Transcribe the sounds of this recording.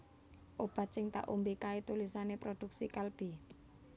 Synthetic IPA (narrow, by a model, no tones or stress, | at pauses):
ʔob̥a̤sɪŋt̪a̰ʔumbikait̪ulisanepɾod̪̥ṳk̚sikalb̥i̤